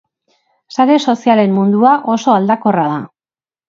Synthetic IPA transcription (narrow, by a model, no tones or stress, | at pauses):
saɾe̞so̞siale̞mːund̪uaʔo̞so̞ald̪ako̞raða